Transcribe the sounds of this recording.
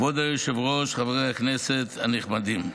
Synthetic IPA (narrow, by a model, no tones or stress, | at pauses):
vod̪ajoʃevʁoʃχaveʁejaknɛset̪aniχmad̪im